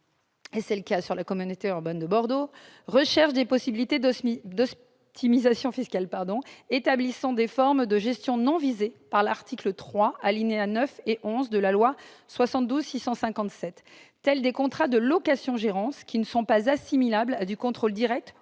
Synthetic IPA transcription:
esɛləkasyʁlakɔmynot̪eyʁband̪əbɔʁd̪oʁəʃɛʁʃd̪epɔsibilit̪ed̪ɔs | t̪ʰimizasjɔ̃fiskalpaʁd̪ɔ̃et̪ablisɑ̃d̪efɔʁmd̪əʒɛst̪jɔ̃nɔ̃vizepaʁlaʁt̪ʰiklət̪χwaalineanœfeʔɔ̃zd̪əlalwaswasɑ̃t̪̚d̪uzsisɑ̃sɛ̃kɑ̃t̪sɛt̪ː | ɛld̪ekɔ̃t̪χad̪əlɔkasjɔ̃ʒeʁɑ̃skʲinəsɔ̃pazasimilablad̪ykɔ̃t̪χold̪iʁɛk̚t̪

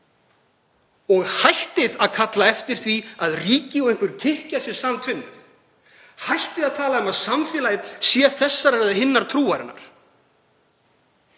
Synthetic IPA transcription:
ɔɣhajht̪ɪðaðkʰat̪laɛft̪ɪɾ̥θviaðriːcɪɔẽŋ̥kvʏɾcʰɪhcasjɛ̥saːmt̪ʰʏnːʏ̰θ | hajht̪ɪðaðt̪ʰaːlaʏmaðsamfɛːlajðsjɛθɛsːaɾɛjðahɪnːaɾ̥t̪ʰɾuːaɾɪ̰nːa̰ɾ̥

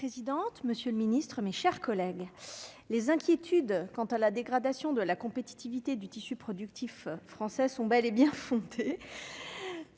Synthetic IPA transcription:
pχezid̪ɑ̃t̪məsjøləminist̪χəmeʃɛʁkɔlɛɡlezɛ̃kʲjet̪ʰyd̪kɑ̃t̪alad̪eɡʁad̪asjɔ̃d̪əlakɔ̃pet̪i̥t̪ivit̪ed̪yt̪isypχɔd̪ykt̪ʰifːχɑ̃sɛsɔ̃bɛlebjɛ̃fɔ̃d̪e

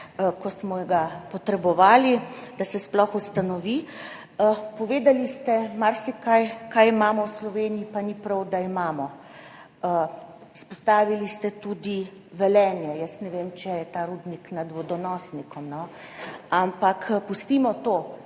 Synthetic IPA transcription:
kɔsmɔjɛɡapɔt̪ɾɛbɔʋaːlid̪asɛsplɔxust̪anɔʋi | pɔʋeːd̪alist̪ɛmaɾsikajkajimaːmɔwslɔʋeːniipanipɾɔwd̪aimaːmɔ | ispɔst̪aːʋilist̪ɛt̪ud̪i | ʋɛlɛːnjɛjəsnɛʋemt͡ʃɛjɛt̪aɾuːd̪niknad̪ʋɔd̪ɔnɔːsnikɔmnɔ | ampakpust̪imɔt̪o

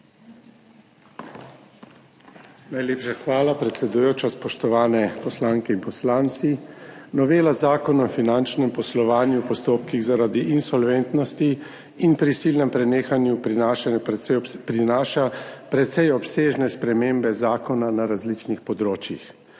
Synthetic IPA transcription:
najleːpʃaxʋaːlapɾɛt̪sɛd̪ujoːt͡ʃaspɔʃt̪ɔʋaːnɛpɔslaːŋkɛinpɔslaːnt̪sinɔʋeːlazaːkɔnɔfinant͡ʃnɛmpɔslɔʋaːnjupɔst̪oːpkiɣzaɾad̪iʔinsɔlʋent̪nɔst̪iː | npɾisilnɛmpɾɛneːxanjuaʃa | pɾinaːʃapɾɛt̪sɛjɔpseːʒnɛspɾɛmeːmbɛzaːkɔnanaɾazlit͡ʃnixpɔd̪ɾoːt͡ʃjix

